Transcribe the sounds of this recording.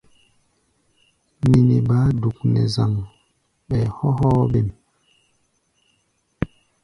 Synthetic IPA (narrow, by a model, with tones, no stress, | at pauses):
ni˨ni˨ba˨˦du˨k̚nɛ̰˨za˨ŋ | ɓɛ˨hɔ˦hɔː˦be˦˨m